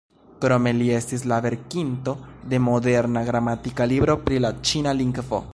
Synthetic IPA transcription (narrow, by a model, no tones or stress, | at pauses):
kɾo̞me̞lie̞stis̬lave̞ɾkinto̞d̪e̞mo̞de̞ɾnaɡɾamatikalibɾo̞pɾilat͡ʃinaliŋkfo̰